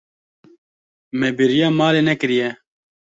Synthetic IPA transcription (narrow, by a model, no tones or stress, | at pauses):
mɛbiɾijɑːmaːleːnɛkɨɾijɛ